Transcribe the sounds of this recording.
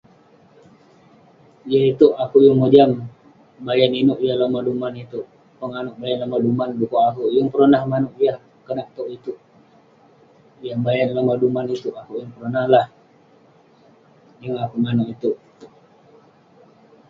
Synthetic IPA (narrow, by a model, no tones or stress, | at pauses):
jait̪uʔakujəŋmod͡ʒam | bajaninuʔjahlamadumanit̪uʔ | pəŋanʊʔ̚bajanlamadumanbukoakujəŋpəɾonahmanuʔjah | kənaʔt̪oʔit̪uʔ | jambajanlamadumanit̪uʔakuʔjaŋpəɾonahlah | jəŋakumanuʔit̪uʔ